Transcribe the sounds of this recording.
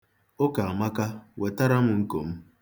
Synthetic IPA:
o˦ka˨a˨ma˦ka˦we˨ta˦ɾa˦m̩˦ŋ̩˦ko̰˨m̩˦

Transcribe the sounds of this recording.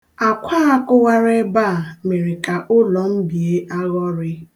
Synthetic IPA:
a˨kʷʰa˦a˦kʊ˦ɣa˦ɾe˦ba˦˨me˨ɾɪ˨ka˨ʔʊ˦lɔ˨m̩˦bi˨e˦ʔa˦ɣɔ˦ɾɪ˦

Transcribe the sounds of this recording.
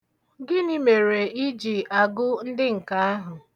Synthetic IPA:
ɡɪ˦ni˦me˨ɾe˨i˦d͡ʒi˨a˨ɡʊ˦n̩˦dɪ˦ŋ̩˨ka˨a˦ɦʊ˨

